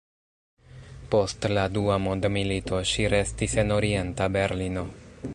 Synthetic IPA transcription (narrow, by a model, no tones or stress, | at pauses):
po̞stladuamondmilitʰo̞ʃiɾe̞stise̞no̞ɾie̞ntabe̞ɾlino̞